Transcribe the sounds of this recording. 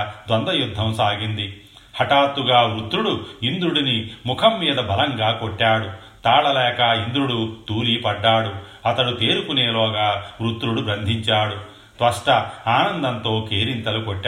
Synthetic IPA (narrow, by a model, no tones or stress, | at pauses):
d̪ʋɐnd̪ɐjud̪ʱːɐmsaːɡind̪i | hɐʈaːt̪ːuɡaːʋɾut̪ɾuɽuind̪ɾuɽinimukʰɐmːiːd̪ɐbʱɐlɐŋɡaːkoʈːaːɽu | t̪aːɭɐlɛːkɐind̪ɾuɽut̪uːliːpɐɖːaːɽu | ɐt̪ɐɽut̪e̞ːɾukuneːlɔːɡaːwɾut̪ːɾuɽubɾɐnd̪ʱiɲt͡ʃaːɽu | t̪ʋɐʂʈɐaːnɐnd̪ɐnt̪o̞ːkeːɾint̪ɐlukoʈː